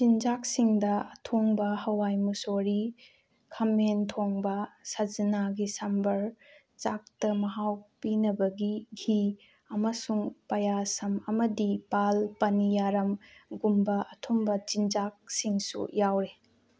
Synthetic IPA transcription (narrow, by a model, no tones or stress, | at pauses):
d͡ʒind͡ʒak̚siŋdɐɐtʰoŋbɐhɐwajmusoɾi | kʰɐmentʰoŋbɐsɐzɐnaɡisɐmbɐɾ | t͡ʃak̚tɐmɐɦawpinɐbɐɡiɡʱi | ɐmɐsuŋpɐjasɐmɐmɐdipalpɐnijaɾɐmɡumbɐɐtʰombɐd͡ʒind͡ʒak̚siŋsṵjawɾe